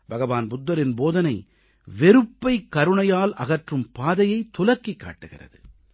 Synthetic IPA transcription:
bɐɣɐʋaːnbʊd̪ːɐɾɪnboːðɐnɐɪ | ʋɛɾɯpːɐɪkːɐɾɯɳɐjaːlʔɐɣɐʈrɯmpaːðɐjɐɪt̪ːʊlɐkːikːa̰ːʈːɯɣɪ̰rɐ̰ðɯ̰

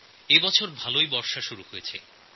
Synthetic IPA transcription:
ebɔt͡ɕʰoɾbʱalojbɔɾʃaʃuɾuhojet͡ɕʰe

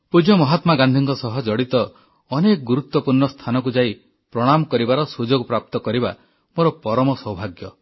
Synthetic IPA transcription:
pud͡ʒɔmɔɦat̪maɡand̪ʱiŋkɔsɔɦɔd͡ʒɔɽit̪ɔ | ɔnekɔɡuɾut̪wɔpuɾɳɔst̪ʰanɔk̬ud͡ʒai | pɾɔɽ̃amɔkɔɾibaɾɔsud͡ʒoɡpɾap̚t̪ɔkɔɾiba | moɾɔpɔɾɔmɔsɔwbʱaɡjɔ

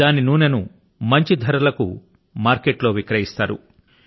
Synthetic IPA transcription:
aːninuːnɐnu | mɐɲt͡ʃid̪ʱɐɾɐlɐkṵ | maːɾkeʈlo̞ːʋikɾɐjist̪aːɾṵ

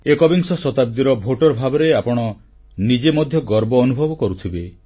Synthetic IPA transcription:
ekɔbiŋsɔsɔt̪ab̚d̪iɾɔbʱoʈɔɾbʱabɔɾeapɔɽ̃ɔ | nid͡ʒemɔd̪ʱjɔɡɔɾbɔːnubʱɔbɔkɔɾut̪ʰibe

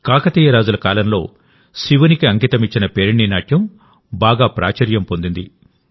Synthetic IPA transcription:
kaːkɐt̪iːjɐɾaːd͡ʒulɐkaːlɐmlo̞ː | siʋɐnikiɐŋkit̪ɐmit͡ʃːinɐpeːɾɳːiːnaːʈʰjɐm | baːɡaːpɾa̰ːt͡ʃɐɾjɐmpo̞nd̪ind̪i

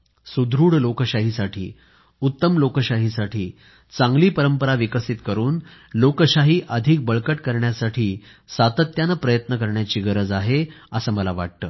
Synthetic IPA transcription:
sud̪ʱɾuːɽlokəɕaɦisaʈʰḭː | ut̪ːəmlokəɕaɦisaʈʰiː | t͡sãŋɡliːpəɾəmpəɾaʋikəsit̪kəɾuːn | lokəɕaɦiːʔəd̪ʱik̚bəɭkəʈkəɾɳjasaʈʰiː | sat̪ət̪janəpɾəjət̪nəkəɾɳjat͡ɕiːɡəɾəd͡zaɦeəsəːməlaʋa̰ʈ̚t̪əː

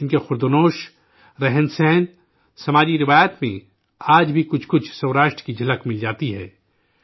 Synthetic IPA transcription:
ɪnkexʊɾd̪onoːʃ | ɾɛɦɛnsɛːn | sɐmaːd͡ʒiɾɪʋaːjət̪mḛ̃ | aːd͡ʒbʱikʊt͡ʃʰkʊt͡ʃʰsɐːɾaːʃʈɾə̥kid͡ʒʱɐləkmɪld͡ʒaːt̪iɦɛ̰ː

